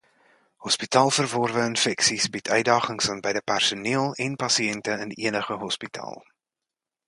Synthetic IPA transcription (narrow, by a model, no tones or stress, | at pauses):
hɔspitɑːlˠfərvɔrvəənfɛksisbitʰœɥdɑːχəŋsɑnbɛjdəpærsuniəlˠɛnpɐsiɛntəənʔiənəχəɦɔspitʰɑ̰ːlˠ